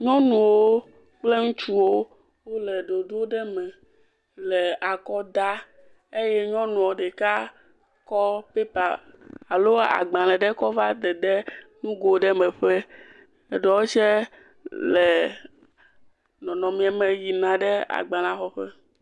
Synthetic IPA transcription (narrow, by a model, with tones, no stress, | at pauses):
ɲɔ̃˦nũ˨wo˦ | k͡ple˦ŋũ˦t͡ʃu˦wo˦ | wo˦lɛ˨ɖo˨ɖo˦ɖɛ˦mɛ̃˨ | lɛ˨a˨kɔ˦d̪a˦ | e˦jɛ˦ɲɔ̃˦nũ˨wo˨ɖɛ˨ka˦ | kɔ˦pe˦pa˨ | a˨lo˦a˨a̰˨ɡ͡bã˨lɛ̃˨ɖɛ˦kɔ˦va˦d̪ɛ˨ɖɛ˦nũ˦ɡo˨ɖɛ˦mɛ̃˨ɸɛ˦ | ɛ˨ɖɔ˨wo˦t͡ʃɛ˦ | lɛ˨ | nɔ̃˨nɔ̃˨mĩ˨˦a˨mɛ̃˨ji˨nã˨ɖɛ˦a̰˨ɡ͡bã˨lã˨xɔ˦ɸɛ˦